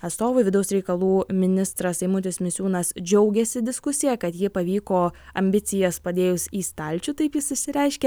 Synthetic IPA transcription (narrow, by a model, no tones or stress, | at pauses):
ɐt̪st̪oːʋʊɪʋʲɪd̪ɐʊsɾʲɛɪkɐlˠuːmʲɪnʲɪst̪ɾɐsɐɪmʊt̪ʲɪsmʲɪsʲuːnɐsd͡ʒʲɛʊɡʲɛsʲɪd̪ʲɪskʊsʲɪjɛkɐt̪jɪpɐʋʲiːkoːɐmʲbʲɪt̪sʲɪjɛspɐd̪ʲeːjʊsiːst̪ɐlʲt͡ʃʲut̪ɐɪpjɪsɪʃʲsʲɪɾʲɛɪʃʲkʲɛ